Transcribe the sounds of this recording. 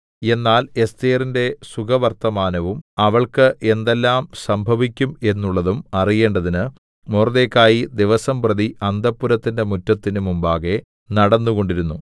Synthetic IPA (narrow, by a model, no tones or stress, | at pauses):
e̞nːaːle̞st̪eːrinde̞suɡɐʋɐrt̪ɐmaːnɐʋumɐʋɐɭkɨʔe̞nd̪elːaːmsɐmbʱɐʋikʲːume̞nːuɭːɐðumɐrije̞ːɳɖɐðinɨ | moːrðekːaːjid̪iʋɐsɐmprɐðiʔɐnd̪ɐpːuɾɐt̪ːinde̞mutːɐt̪ːinumumbaːɣe̞ | nɐɽɐnːuɣo̞ɳɖiɾunːu